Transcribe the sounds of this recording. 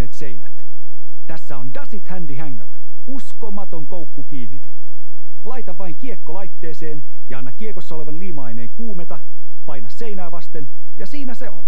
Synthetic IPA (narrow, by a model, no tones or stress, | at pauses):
eːt̪sejnæt̪ | t̪æsːæondɑsit̪hændiɦæŋːø̰ɹ | uskomɑt̪o̞ŋkowkːukiːnːit̪ | lɑjt̪ɑʋʋɑiŋkiekːolɑjt̪ːe̞ːseːn | jɑɑnːɑkːiekosːɑo̞le̞ʋɑnliːmɑjne̞ːŋkuːmet̪ɑ | pɑjnɑsːe̞jnæːʋɑst̪en | jɑsiːnæse̞o̰n